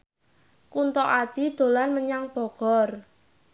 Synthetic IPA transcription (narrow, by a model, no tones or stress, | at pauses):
kunt̪ɔʔad̥ʒ̥id̪̥o̤lanməɲaŋb̥ɔ̤ɡ̥ɔr